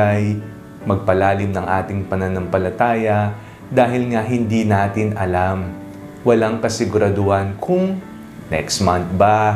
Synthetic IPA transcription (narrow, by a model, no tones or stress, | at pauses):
aj | mɐɡ̚pɐlaːlɪmnɐŋʔaːt̪ɪŋpɐnɐnɐmpɐlɐt̪aːjɐ | d̪aːɦɪlŋaɦɪnd̪inaːt̪ɪnɐlam | wɐlaŋkɐsɪɡʊɾɐd̪ʊhankʰʊŋ | nɛ̰kst̪mant̪̚ba